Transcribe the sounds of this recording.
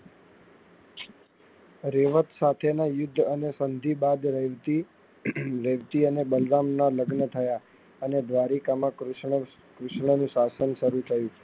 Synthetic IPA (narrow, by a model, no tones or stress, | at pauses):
ɾeʋət̪sat̪ʰenajʊd̪ʱːənesənd̪ʱibad̪ɾʋt̪i | ɾeʋt̪iənebəlɾamnaləɡnət̪ʰəja | əned̪ʋaɾikamã | kɾʊʃɳənũʃasənʃəɾut̪ʰəjũ